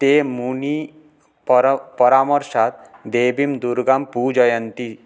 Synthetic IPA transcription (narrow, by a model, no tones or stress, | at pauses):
t̪emuni | pɾpɔɾamɔɾʃat̪̚d̪ebimd̪uɾɡampud͡ʒəjənt̪i